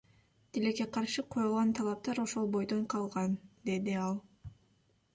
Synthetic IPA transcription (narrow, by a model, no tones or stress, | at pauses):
t̪ileke̞qʰɑɾʃɯqʰo̞julˠʁɑnt̪ʰɑlˠɑp̚t̪ɑɾo̞ʃo̞lˠbo̞jd̪oɴqʰɑlˠʁɑnd̪e̞d̪iɑlˠ